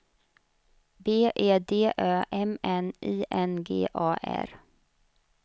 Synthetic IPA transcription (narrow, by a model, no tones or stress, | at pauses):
beːʔeːd̪eːʔœːʔɛmɛnʔiːʔɛnɡḛːʔɑːʔæ̰ɾ